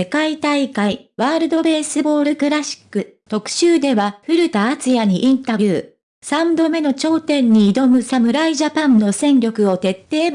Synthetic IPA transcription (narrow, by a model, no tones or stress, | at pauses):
e̞kait̪aikaiβaːɾɯ̟d̪o̞be̞ːsɨbo̞ːɾɯ̟kɯ̟ɾaɕi̥kːɯ̟ | t̪o̞kɯ̟̥ɕɨːd̪e̞βaɸɯ̟ɾɯ̟t̪aːt͡sɨjaɲ̟iʔĩnt̪abʲjɯː | sãmbo̞me̞no̞t͡ɕo̞ːt̪ẽ̞ɲ̟ːiːd̪o̞mɯ̟samɯ̟ɾaiʑapãnno̞sẽ̞ŋɡʲo̞kɯ̟o̞t̪e̞t̪ːe̞ːb